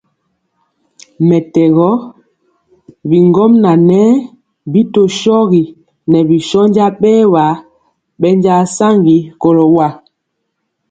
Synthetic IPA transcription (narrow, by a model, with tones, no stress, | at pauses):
mɛ˨tɛ˨ɣɔ˦ | bi˨ŋɡɔ˦mna˨nɛː˦ | bi˦to˨ʃɔ˦ɣi˨ | nɛ˨bi˨ʃɔ˦ɲd͡ʒa˦ɓɛː˦wa˨ | ɓɛ˦ɲd͡ʒa˦sa˦ŋɡi˨ko˨lɔ˨wa˦˨